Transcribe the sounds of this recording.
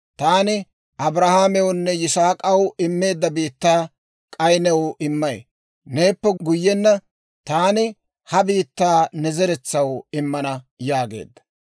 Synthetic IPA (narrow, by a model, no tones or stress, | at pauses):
t̪aːnɪ | ʔɐbɾɐhaːmɛwʊnːɛjɪsaːkʼɐwɪmːe̞ːd̪ːɐbiːt̪ːaː | kʼɐjnɛwɪmːɐj | ne̞ːpːɛɡʊjːɛnːɐ | t̪aːnɪ | hɐbiːt̪ːaːnɛzɛɾɛt͡sːɐwɪmːɐnɐ | jaːɡḛːd̪ːɐ̥